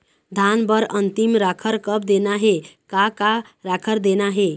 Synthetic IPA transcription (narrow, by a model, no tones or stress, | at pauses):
d̪ʱanbəɾənt̪imɾakʰəɾkəb̚d̪enaɦekaka | ɾakʰəɾd̪enaɦe